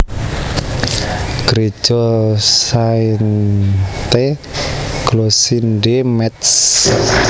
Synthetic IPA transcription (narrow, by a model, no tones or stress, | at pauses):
ɡ̥ɾe̥d͡ʒ̥ɔsain | t̪e | ɡ̥losinɖemɛt̪s